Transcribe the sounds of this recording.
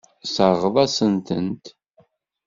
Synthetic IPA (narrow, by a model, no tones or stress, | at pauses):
səʁðˤɑsənt̪ə̰nt̪